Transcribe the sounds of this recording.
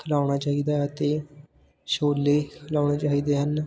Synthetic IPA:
kʰəlaːʊɽ̃aːt͡ʃaːiːd̪aːət̪eː | ʃoːlːeːkʰəlaːʊɳ̃eːt͡ʃaːɦiːd̪eːɦən

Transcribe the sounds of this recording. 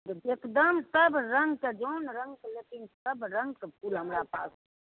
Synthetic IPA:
ekd̪əmsəbɾɐ̃ŋɡkad͡ʒoːnɾɐ̃ŋɡklekɪnsəbɾɐ̃ŋɡkepʰuːlɦɐmɾapaːs

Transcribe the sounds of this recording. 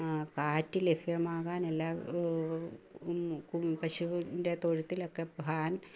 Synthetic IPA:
kaːtːilefijɐmaːɣaːnelːaː | kumpɐɕuʋndet̪oɻut̪ːilokːepɦaːn

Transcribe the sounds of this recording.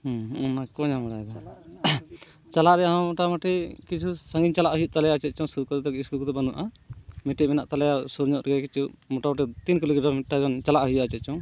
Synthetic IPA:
ɔnakɔɲamaɾajd̪a | t͡ʃalaʔɾɛãmɔʈamaʈɛkit͡ʃʰusãŋɡiɲt͡ʃalaʔɦujuʔt̪alɛjat͡ʃɛt͡ʃɔsuɾkɔt̪ɛt̪ɔkiskulkɔt̪ɛbanuaʔa | miʈiʔmɛnaʔt̪alɛjasuɾɲɔʔ̪ɾɡɛkit͡ʃuʔmɔʈamaʈ̬ɛt̪inkulikɖɔmiʈaɡɔnt͡ʃalaʔɦujaʔat͡ʃɛt̪̚t͡ʃɔŋ

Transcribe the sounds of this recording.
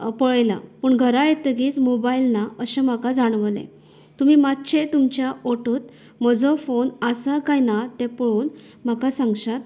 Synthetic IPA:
pɔɭjla̰pəːɳɡʱəɾajet̪əɡiːt͡smobailnaəɕẽm̤akad͡zaɽ̃ʋlḛ̃ | t̪umiːmat̪ːɕẽt̪umt͡ɕjaʔoʈuːt̪̚ | m̤əd͡zɔfonəsakajnat̪ẽpɔɭuːn | m̤akasãŋɡɕat̪

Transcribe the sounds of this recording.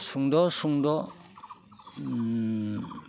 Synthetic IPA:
suŋdɔsuŋdɔ

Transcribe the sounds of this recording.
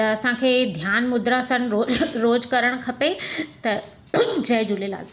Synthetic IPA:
t̪ɐɐsãkʰeːd̪ʱjaːnmʊd̪ʱɾasənɾoɾoːd͡ʑkɐɾəɽ̃kʰɐpet̪ɐ | d͡ʑɐɦd͡ʑʊlela̰ːl

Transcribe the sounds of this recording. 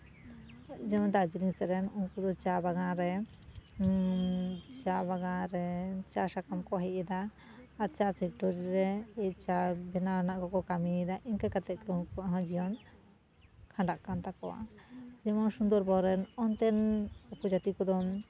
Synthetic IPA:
d͡ʒɛmɔd̪ad͡ʒiliŋsɛɾɛnunkɔd̪ɔt͡ʃabaɡãɾɛ | t͡ʃabaɡãɾɛt͡ʃasakamkɔɦɛʔɛd̪aː | ɾt͡ʃabʰʱik̚ʈɔɾiɾɛɛt͡ʃabɛnanaʔkɔkɔkamiid̪aʔiɲkakat̪ɛʔkɛunkɔaɦɔ̃d͡ʒijɔn | kʰãɳɖaʔkant̪akɔ̰wa̰d͡ʒɛmɔnsund̪ɔɾbɔɾɛnɔnt̪ɛnupɔd͡ʒat̪ikɔd̪ɔm

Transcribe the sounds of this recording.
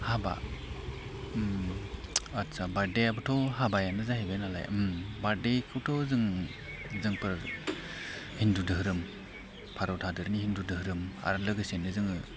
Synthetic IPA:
haba̰ | m | atsabaɾdejabɯtʰɔɦabajanɯzaɦebenala̰jɯmbaɾdekʰɯbtʰɔzɯŋ | zɯŋpʰɯɾ | hindudɯɦɯɾɯm | pʰaɾɔtʰadɯɾnihindudɯɦɯɾɯma̰ɾlɯɡɯsenɯzɯŋɯ

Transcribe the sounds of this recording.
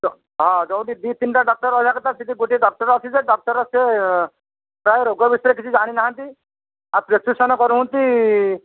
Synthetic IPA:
ɔ | ɦɔ̃d͡ʒɔw̃ʈid̪it̪inʈaɖɔk̚ʈɔɾɔd͡ʒʱakɔt̪asit̪iɡoʈiɖɔk̚ʈɔɾɔsʰid͡ʒeɖɔk̚ʈɔɾɔse | pɾajeɾoɡɔbisɔɾekit͡ʃʰid͡ʒaɽ̃inaɦãnt̪i | apɾesusɔnɔkɔɾuɦũnt̪i

